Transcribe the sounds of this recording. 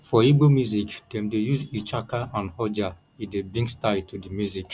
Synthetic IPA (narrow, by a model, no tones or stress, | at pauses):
fɔiɡ͡bomjuziktẽmdejuzit͡ʃakaʔãnhɔd͡ʒa | idebĩŋɡstaɪd̚tudimjuzik